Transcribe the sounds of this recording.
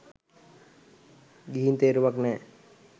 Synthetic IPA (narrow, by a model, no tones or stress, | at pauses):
ɡiɦint̪eːɾuʋaknɛː